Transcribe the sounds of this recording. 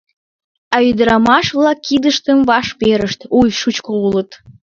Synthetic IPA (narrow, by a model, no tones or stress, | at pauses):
ɑyd̪əɾɑmɑʃβlɑkːid̪əʃt̪əmvɑʃpeɾəʃt̪ujʃut͡ɕkoulət̪